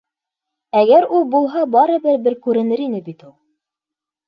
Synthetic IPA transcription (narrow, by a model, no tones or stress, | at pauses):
æɡæɾulˠbulˠɦɑbɑɾɤ̆bɘɾbɘɾkʉɾɘ̆nɘɾinɘbit̪ulˠ